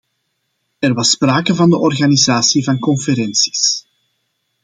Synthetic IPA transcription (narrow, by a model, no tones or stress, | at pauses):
ɛrʋɑspraːkəvɑndəʔɔrɣaːnizaːsivɑnkɔnfəɾɛnsi̥s